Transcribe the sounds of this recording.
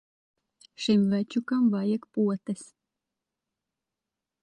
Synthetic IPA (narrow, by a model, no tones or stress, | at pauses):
ʃimvæt͡ʃukamvajakpuɔt̪ɐsʲ